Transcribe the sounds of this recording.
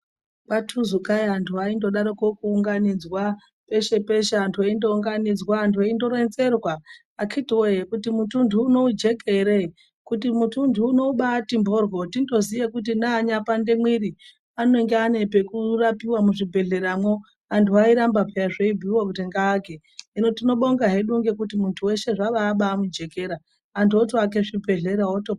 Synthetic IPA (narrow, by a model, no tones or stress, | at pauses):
patʰuzukajantʰuaindo̞ɗaɾokokuːŋɡanid͡zwa | pe̞ʃe̞pe̞ʃeantʰuaindo̞uŋɡanid͡zwaːntʰuaindo̞ɾe̞nze̞rwaː | kʰitiwoɦekutimutʰundʱuːno̞ud͡ʒe̞ke̞ɾe̞ | kutimutʰundʱuːno̞uɓatimbo̞rwo̞tindo̞zijekut̬inaːɲapandemwiɾi | ano̞iŋɡeane̞pe̞kurapiwamuʐibʱe̞ɮe̞ɾamwo | antʰuaiɾambapeaʐeibʱiwakuteŋɡaːke | ino̞tino̞ɓoŋɡaɦe̞ɗuŋɡe̞kutimuntʰuwe̞ʃe̞ʐaʋaːɓaːmud͡ʒe̞ke̞ɾa | antʰuotoak̬e̞ʐibʱe̞ɮe̞ɾaoto